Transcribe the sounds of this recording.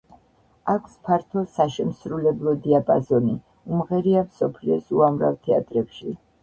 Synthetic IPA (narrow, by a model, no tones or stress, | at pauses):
akʷʰspʰaɾt̪ʰɔsaʃɛmsɾulɛblˠɔd̪iapʼazɔni | umʁɛɾiamsɔpʰliɔsuamɾa̰vt̪ʰɛa̰t̪ʼɾɛpʃi